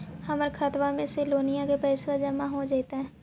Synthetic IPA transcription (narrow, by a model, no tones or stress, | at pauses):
hɐməɾkʰət̪wamẽsɪloːnijakepɛːɪsʋad͡ʒəmaɦod͡ʒaɪt̪aɦɛː